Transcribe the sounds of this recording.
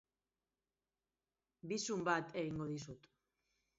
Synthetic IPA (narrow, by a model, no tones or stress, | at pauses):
bisumbat̪e̞ɣiŋɡo̞ðis̬ut̪